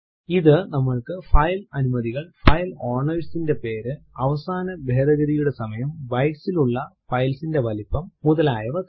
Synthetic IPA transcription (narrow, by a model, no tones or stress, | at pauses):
iðɨnɐmːɐɭkɨfɐjlɐnumɐðiɣɐɭfɐjloːrɳɐʋisinde̞pe̞ːɾɨɐʋɐsaːnɐbʱeːd̪ɐɣɐɾijuɽe̞sɐmɐjɐmbɐjksiluɭːɐfɐjlsinde̞ʋɐlipːɐmːuðɐlaːjɐʋɐ